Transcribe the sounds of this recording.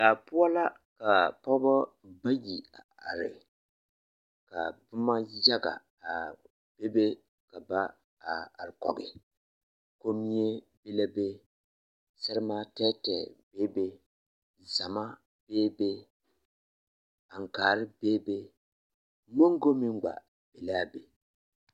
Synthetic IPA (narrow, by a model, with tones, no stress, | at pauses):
daː˨pʊ˦a˦la˦ | ka˨pɔ˦ba˦ | ba˦ji˨a˨a̰˨ɾɪ˨ | ka̰˨bʊ˦ma˦ja˦ɡa̰˨ | a˨ | b̥e˦be˦ | ka˨ba˦˨ | a˨ɾɪ˨kɔ̰˨ɡɪ˨ | ko˦mi˦e˦ | be˦la˦be˦ | sɛ˦ɾɪ˦maː˦tɛ˦tɛ˨beː˦be˦ | za˨ma˦ | b̥eː˦be˦ | a˨ŋ˨kaː˨ɾɪ˦beː˦be˦ | mo˦ŋ˦ɡo˦mi˦ŋ˦ɡ͡ba̰˨ | b̥e˨laː˦be˨